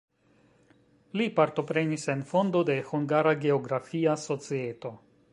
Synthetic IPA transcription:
lipaɾto̞pɾe̞nise̞nfo̞ndo̞de̞huŋɡaɾaɡe̞o̞ɡɾafiaso̞t͡sie̞to̞

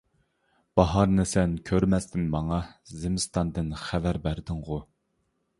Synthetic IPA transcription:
b̥ɑɦɑɾnɨsɛnkʲʰøɾmɛst̪ʰɪnmɑŋɑzɪmɪst̪ʰɑnd̪ɨnχævæɾbæɾd̪ɪŋʁʊ

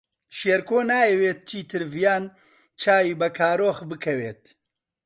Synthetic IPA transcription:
ʃeːɾkoːnaːjɛweːt̪̚t͡ʃʰiːt̪ʰɨɾvjaːn | t͡ʃʰaːjiːbɐkʰaːɾoːxbɨkʰɐweːt̪̚

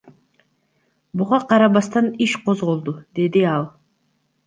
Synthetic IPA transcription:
buʁɑqʰɑɾɑβɑst̪ɑniʃqʰo̞zʁo̞lˠd̪ud̪e̞d̪iɑlˠ

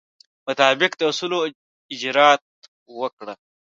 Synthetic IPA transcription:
mʊt̪ɑːbɪkd̪əusulo | ɪd͡ʒɾɑt̪̚ | wəkɽə

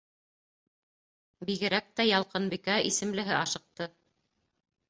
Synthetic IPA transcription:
biɣɘ̆ɾæk̚t̪æjɑlˠqɤnbikæʔisɘ̆mlɘ̆ɦɘɑʃɤ̆q̚t̪ɤ

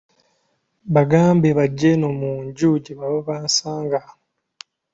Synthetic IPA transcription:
βaɡaːmbeβaɟːenomuɲɟuːɟiβaβoβansaːŋɡa

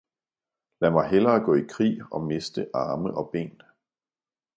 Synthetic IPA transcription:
læmɑ̈ɪɦelɐːɡ̥ɔ̰̽ːikʰʁḭːɒ̽me̝sd̥əʔɑ̈ːməʔɒ̽b̥e̝̰ːn

